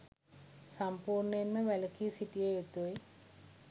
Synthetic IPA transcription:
sampuːrɳəenməʋæləkiːsiʈijeet̪uj

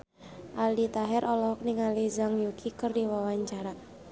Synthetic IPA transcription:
ʔaldit̪aɦɛɾʔɔlɔɦɔk̚niŋalizaŋjukʰikərdiwawaɲt͡ʃaɾa

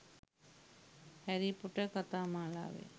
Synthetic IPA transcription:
hæɾipuʈəkat̪aːmaːla̰ːʋḛ

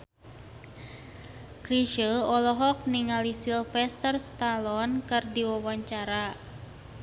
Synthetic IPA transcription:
kɾiʃəɔlɔɦɔk̚niŋalisilfɛst̪ərst̪alɔnkɨrdiwawaɲt͡ʃaɾa

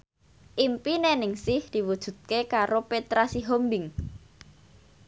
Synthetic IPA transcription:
ʔimpinenɪŋsɪhd̪̥i̤wud̥ʒ̥ṳt̪̚kekaɾopet̪ɾasiɦombɪŋ

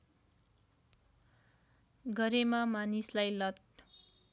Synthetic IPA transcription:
ɡʌɾemamanislajlʌt̪̚

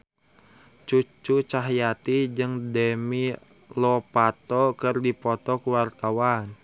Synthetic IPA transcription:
t͡ʃut͡ʃut͡ʃaɦjat̪id͡ʒɨŋdɛmi | lɔpat̪ɔkɨrdipɔt̪ɔkuwart̪awan

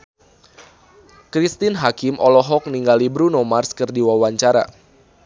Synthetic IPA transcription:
kɾist̪inɦakɪmʔɔlɔɦɔk̚niŋɡalibɾunɔmarskɨrdiwawaɲt͡ʃaɾa̰

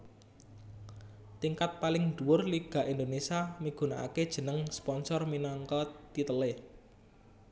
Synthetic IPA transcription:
t̪iŋkat̪̚palɪŋd̪̥ṳwʊrliɡ̥ä̤ʔind̪onesiamiɡ̥ṳnaʔa̰ked̥ʒ̥ə̤nəŋspɔnsɔrminɔŋkɔt̪it̪əle

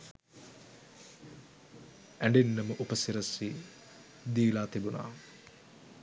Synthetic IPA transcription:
æɳɖenːəməʔupəsiɾɐsi | d̪iːlaːt̪ibuna̰ː

